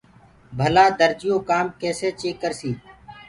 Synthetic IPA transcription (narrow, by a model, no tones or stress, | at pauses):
bʱəlaːd̪əɾd͡ʒɪjõːkaːmkɛːseːt͡ʃeːkːəɾsiː